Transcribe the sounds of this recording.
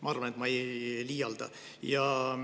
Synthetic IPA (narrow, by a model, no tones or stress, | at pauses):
mɑɑrvɑne̞t̪mɑejliːjɑld̪ɑ̰ | jɑ